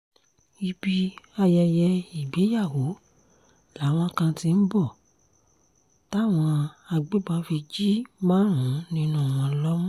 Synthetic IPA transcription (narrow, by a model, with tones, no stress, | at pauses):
i˧bi˧a˧jɛ˧jɛ˧i˨be˨˦ja˦˨wo˨˦ | la˨˦w̃ɔ̃˧kã˧ti˧n̩˦bɔ˦˨ | ta˦˨w̃ɔ̃˧a˧ɡ͡be˦ba˧fi˧d͡ʒi˦mãː˦ɾũ˨˦nĩ˧˦nũ˦˨w̃ɔ̃˧lɔ˦mũ˦